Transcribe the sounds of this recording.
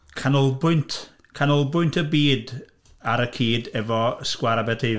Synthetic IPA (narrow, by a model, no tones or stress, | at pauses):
kʰanɔlˠbʊɨntʰ | kʰanɔlˠbʊɨntʰəbiːd | aɾəkʰiːdɛvɔskwaɾabɛtʰe